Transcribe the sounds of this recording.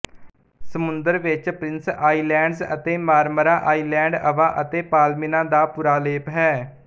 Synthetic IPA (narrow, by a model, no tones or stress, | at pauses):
səmʊnd̪əɾʋɪt͡ʃpɾɪnsaːiːlɛ̃ːɳɖzə̰t̪eːmaːɾməɾaːʔaːiːlɛ̃ːɳɖəʋaːʔət̪eːpaːlmɪnãːd̪aːpʊɾaːleːpɦɛː